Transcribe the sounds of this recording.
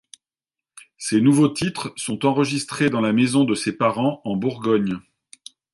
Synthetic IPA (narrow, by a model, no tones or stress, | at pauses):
senuvot̪it̪χsɔ̃t̪ɑ̃ʁəʒist̪χed̪ɑ̃lamezɔ̃d̪əsepaʁɑ̃ɑ̃buʁɡɔɲ